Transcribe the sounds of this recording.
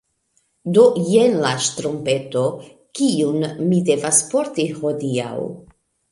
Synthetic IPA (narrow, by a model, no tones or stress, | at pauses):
do̞je̞nlaʃtɾompe̞to̞ | kiunmide̞vaspo̞ɾtiho̞dia̰w